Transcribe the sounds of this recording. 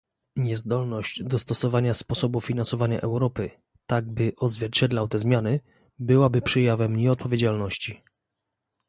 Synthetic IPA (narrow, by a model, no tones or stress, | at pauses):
ɲɛzd̪ɔlnɔʑd͡ʑd̪ɔst̪ɔsɔvaɲaspɔsɔbufʲinansɔvaɲa̰ʔɛwɾɔpɘ | t̪aɡ̚bɘʔɔzvʲjɛɾt͡ɕɛd̪lawt̪ɛzmʲjanɘ | bɘwabɘpʂɛjavɛmɲɛɔt̪̚pɔvʲjed͡ʑalnɔɕt͡ɕi